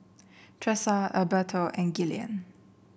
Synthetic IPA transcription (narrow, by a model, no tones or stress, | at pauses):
tʰɹɛsaəbətʰoʔɛ̃nɡiliə̰̃n